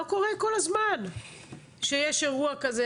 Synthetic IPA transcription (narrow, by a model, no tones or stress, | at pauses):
oko̞ʁeko̞lazman | ʃejeʃeʁuakaze